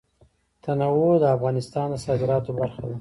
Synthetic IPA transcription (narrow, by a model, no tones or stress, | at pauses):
t̪ʰanawod̪əafɣɑnɪst̪ɑnd̪əsɑd̪ɪɾɑt̪obaɾxad̪a